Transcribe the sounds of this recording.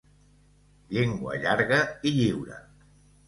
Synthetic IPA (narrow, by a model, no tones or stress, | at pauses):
ʎeŋɡwə̰ʎaɾɣəiʎiwɾə̰